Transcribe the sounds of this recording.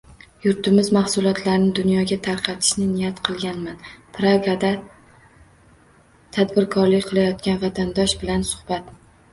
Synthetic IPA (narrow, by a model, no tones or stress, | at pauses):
jʊɾt̪ʰɪmɪzmahsʊlˠɒt̪ʰlaɾnɪd̪ʊnjɒɡʲat̪ʰaɾqʰɑt̪ʰɪ̥ʃnɪnɪjat̪qʰɨlˠɡʲanmanpɾaɡad̪a | t̪ʰad̪bɪɾkʰɒɾlɪkʲqʰɨlˠajɒt̪̚kʲanvat̪ʰand̪ɒʃbɪlansʊ̥χbat̪